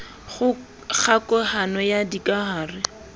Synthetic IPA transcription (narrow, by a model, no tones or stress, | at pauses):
χʊ | k͡xʰakʼɔhanɔjadikʼaɦaːrɪ